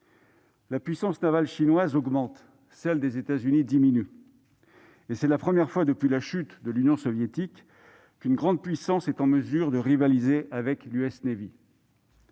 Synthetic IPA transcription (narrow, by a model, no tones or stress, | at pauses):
lapɥisɑ̃snavalʃinwazɔɡmɑ̃t̪ | sɛld̪ezet̪azynid̪iminy | esɛlapχəmjɛʁfwad̪əpɥilaʃyt̪d̪əlynjɔ̃sɔvjet̪ik | kynɡʁɑ̃d̪̚pɥisɑ̃sɛt̪ɑ̃məzyʁd̪əʁivalizeʔavɛklyɛsnevi